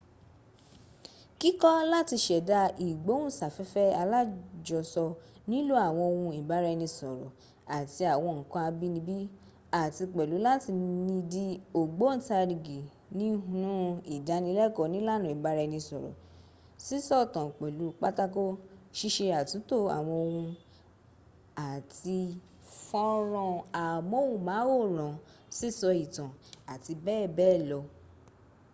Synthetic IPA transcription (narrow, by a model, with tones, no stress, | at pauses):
ki˦kɔ˦la˦ti˧ʃɛ˨da˧i˨ɡ͡bo˨˦ũ˦˨sa˨fɛ˨˦fɛ˦a˧la˦d͡ʒɔ˨sɔ˧nĩ˦lo˦a˦˨w̃ɔ̃˧o˧wũ˧i˨ba˨˦ɾɛ˧nĩ˧sɔ˨ɾɔ̰˨ | a˨ti˧a˨w̃ɔ̃˧ŋ̩˨kã˧a˧bi˦nĩ˧bi˦ | a˨ti˧k͡pɛ˨lu˨˦la˦ti˧nĩ˧di˧o˨ɡ͡bo˨˦n̩˨ta˧ɾi˨ɡi˨ | nĩ˨˦ɦũ˦nũ˦i˨da˨˧˦nĩ˧˦lɛ˦˨kɔ˧˨˧nĩ˦la˦˨nũ˨i˨ba˧ɾɛ˧nĩ˧sɔ˨ɾɔ̰˨ | si˦sɔ˦˨tã˨k͡pɛ˨lu˨˦k͡pa˦ta˦ko˦ʃi˦ʃe˧a˨tũ˨˦to˦˨a̰˨w̃ɔ̃˧o˧wũ˧ | a˨ti˧ | fɔ̃˦ɾɔ̃˧a˨mɔ̃˦˨wũ˧mãː˨˦wo˦˨ɾ̃ã˨ | si˦˨sɔ˧i˨tã˨a˨ti˧bɛː˦˨bɛː˦˨lɔ˧